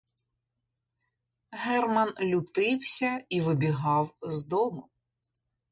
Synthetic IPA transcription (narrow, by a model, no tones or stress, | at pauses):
ɦɛrmɐnlʲʊt̪ɪwsʲɐiʋɪbʲiɦɑwzd̪ɔmʊ